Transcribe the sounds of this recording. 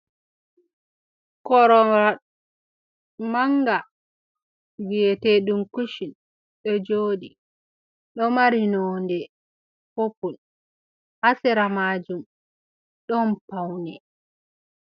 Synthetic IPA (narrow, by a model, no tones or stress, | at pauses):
kɔɾɔɾa | maŋɡa | wiɛteɗumkuʃin | ɗɛd͡ʒoːɗi | ɗɔmaɾinɔːndɛ | fopun | ʔasɛɾamaːd͡ʒum | ɗɔnpawnɛ